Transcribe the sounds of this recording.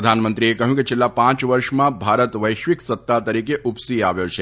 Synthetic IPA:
d̪ʱanmənt̪ɾiekəɦjũkit͡ʃʰelːapãt͡ʃʋəɾʃmãbʱaɾət̪ʋəjʃʋiksət̪ːat̪əɾikeʔupsiaʋjot͡ʃʰe

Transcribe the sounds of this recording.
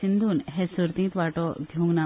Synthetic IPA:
ind̪ʱuːnɦesuɾt̪ĩŋt̪ʋaʈɔd̪ʱjũŋɡna

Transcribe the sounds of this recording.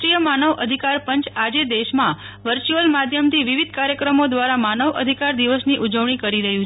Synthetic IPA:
ɾijəmanəʋʔəd̪ʱikaɾpəɲt͡ʃad͡ʒed̪eʃmã | ʋəɾt͡ʃuəlmad̪ʱjəmt̪ʰiʋiʋid̪̚ʱkaɾjəkɾəmod̪ʋaɾamanəʋʔə̰d̪ʱikaɾd̪iʋəsniʔud͡ʒəʋɳ̃ikəɾiɾəɦjũ

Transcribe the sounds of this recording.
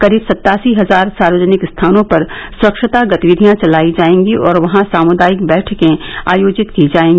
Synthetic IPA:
kɐɾiːbsɐt̪ːaːsiɦɐzaːɾsaːɾʋəd͡ʒnɪkst̪ʰaːnõpɐɾswɐkʃət̪aɡɐt̪iʋɪd̪ʱijãt͡ʃɐlaːid͡ʒaːẽːŋɡiʔɔːɾʋɐɦãsaːmʊd̪aːjɪkbɛːʈʰkẽaːjoːd͡ʒɪt̪kid͡ʒaːẽːŋɡi

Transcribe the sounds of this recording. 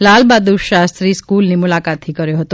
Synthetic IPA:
lalbad̪uʃast̪ɾiskulnimʊlakat̪ʰːikəɾjoɦət̪o

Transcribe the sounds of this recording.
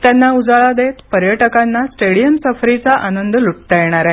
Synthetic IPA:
t̪janːaud͡zaɭad̪et̪pəɾjəʈəkanːasʈeɽijəmsəfɾit͡saʔanənd̪əluʈ̚t̪ajeɽ̃aɾa

